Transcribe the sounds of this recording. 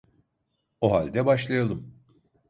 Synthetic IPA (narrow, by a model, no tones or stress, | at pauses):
oɦalʲd̪ɛbaʃlˠajalˠɯm